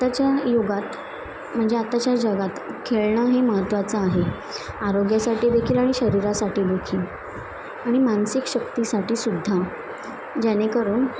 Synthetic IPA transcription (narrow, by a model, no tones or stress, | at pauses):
at̪at͡ɕjajoɡat̪ | m̤əɳd͡zeat̪at͡ɕjad͡ʑəɡat̪kʰeɭɳəɦeməɦət̪ʋat͡səaɦe | aɾoɡjasaʈiːd̪ekʰiːlaɽ̃iɕəɾiɾasaʈiːd̪ekʰiːl | aɽ̃imansikɕəkt̪isaʈiːsud̪ʱːa | d͡ʑanekəɾuːn